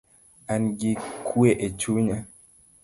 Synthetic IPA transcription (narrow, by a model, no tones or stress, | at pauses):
anɡikʰweʔet͡ʃuɲa